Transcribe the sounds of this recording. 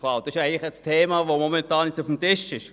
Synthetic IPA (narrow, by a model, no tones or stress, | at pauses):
kʰlɑːd̥ɑsɪʃæɪŋlɪɛtstʰeːmɑːʋomɔmɛntɑːnːet͡sufm̩tɪʃɪʃ